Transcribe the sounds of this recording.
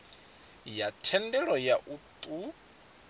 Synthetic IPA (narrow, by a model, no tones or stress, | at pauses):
jatʰɛndɛɺɔjaʔut̪ʼu